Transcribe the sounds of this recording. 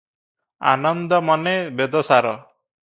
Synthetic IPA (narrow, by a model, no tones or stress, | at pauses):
a̰nɔnd̪ɔmɔnebed̪ɔsaɾɔ